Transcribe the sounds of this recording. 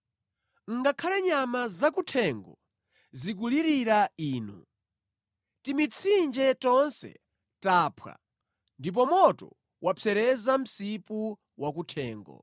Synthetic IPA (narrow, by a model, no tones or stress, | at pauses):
ŋ̩ɡakʰalɛɲamazakutʰɛŋɡɔ | zik̬uliɾiɾaiːnṵ | timit͡sʰind͡ʒɛtɔnsɛ̰ | taːpʰwa̰ | ndip̬ɔmɔtɔ̰ | wʔapʰɛɾɛzam̩sipu | wakutʰɛːŋɡɔ̰